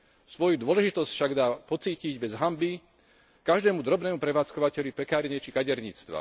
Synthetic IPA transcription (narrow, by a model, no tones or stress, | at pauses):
sʋɔjud̪ʊɔlɛʒit̪ɔscfʃaɡd̪aːpɔt͡siːciɟbɛzɦambi | kaʒd̪ɛːmud̪ɾɔbnɛːmupɾɛʋaːt͡skɔʋacɛʎupɛkaːɾɲɛt͡ʃikaɟɛɾɲit͡st̪ʋa̰